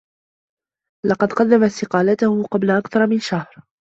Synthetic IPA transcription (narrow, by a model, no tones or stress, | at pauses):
lɑqɑd̪qɑd̪ːamast̪ɪqɑːlat̪ʊhʊqɑblaʔakθɑɾˤmɪnʃahɾ